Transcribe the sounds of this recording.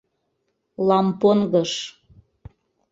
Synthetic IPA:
lɑmponɣɤʃ

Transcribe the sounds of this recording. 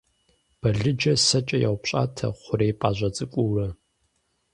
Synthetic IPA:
b̥ɐɮɨd͡ʒɐsɐt͡ʃʼɐja̰wʷpɕʼa̰ːtʰɐ̰χʷʊɾeːpʼaːʑʷɐt͡sʼɨkʷʼʊwɐ

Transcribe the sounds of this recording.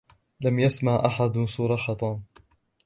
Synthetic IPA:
lamjasmaʕʔaħad̪sˤuːɾˤɑħɑt̪ˤɑːn

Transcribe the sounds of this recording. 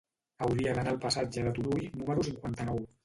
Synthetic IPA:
əwɾiəɣanalˠpasad͡ʒəðət̪uɾujnuməɾusiŋkwant̪ənɔw

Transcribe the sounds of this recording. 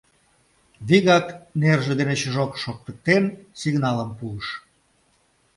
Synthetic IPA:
βiɣɑknerʒed̪enet͡ɕəʒokʃok̚t̪ək̚t̪ensiɣnɑləmpuəʃ

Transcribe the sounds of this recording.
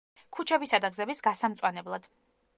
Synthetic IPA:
kʰut͡ʃʰɛbisad̪aɡzɛbisɡasamt̪sʼwanɛblˠad̪̥

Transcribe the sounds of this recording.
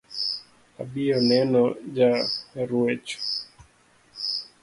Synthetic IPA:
a̰ɓiɔnɛnɔd͡ʒaɾuɛt͡ʃɔ̥

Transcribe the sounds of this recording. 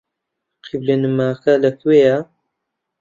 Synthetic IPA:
qʰiblenɨmaːkɐlɐkʰweja

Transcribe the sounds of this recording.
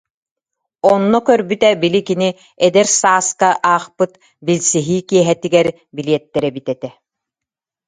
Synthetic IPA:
ɔnːɔkœɾbyt̪ɛbilikini | ɛd̪ɛɾsaːskaʔaːχpɯt̪ | bilsiɦiːkiɛɦɛt̪iɡɛɾ | biliɛt̪ːɛɾɛbit̪ɛt̪ɛ

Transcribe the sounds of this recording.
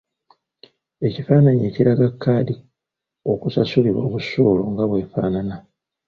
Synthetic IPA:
e̞cifaːnaɲieːciɾaɡakːaːdi | o̞kusasuliβo̞̰ːβusuːlo̞ŋɡaβwe̞ːfaːnana

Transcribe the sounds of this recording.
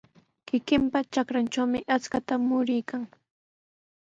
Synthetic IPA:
kɪkɪmpat͡ʃakɾant͡ʃawmɪʔat͡skat̪amʊɾɪjkaŋ

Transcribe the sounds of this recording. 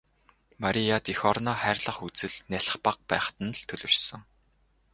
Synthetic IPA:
maɾʲijat̪ixɔrnɔːχæːrʲɮə̆χut͡sɘ̆ɮnæɬ̆χpaq̚pæ̰ːχt̪ə̆nɮt̪ʰɵɮɵ̆rsɘ̆ŋ

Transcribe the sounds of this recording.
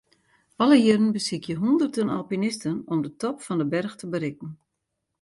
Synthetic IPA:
ʔɑləjɪɾənbəsikjəɦundərtənɑ̰lˠpinɪstənɔmdətɔpfɔndəbɛrxtəbəɾɪkən̩

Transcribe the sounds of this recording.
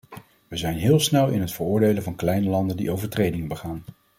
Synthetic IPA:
ʋəzɛjnɦɪːlˠsnɛlˠɪ̰nɦətfəɹʊːɹdejləvɑnklɛjnəlɑndəndḭʔowvəɹtrejdɪŋənbəχaːn

